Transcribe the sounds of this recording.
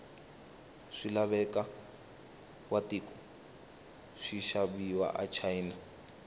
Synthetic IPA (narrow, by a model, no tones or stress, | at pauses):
ʂilaβɛka | watikɔ̥ | ʂiʃabiwa̰ʔa̰t͡ʃʰaina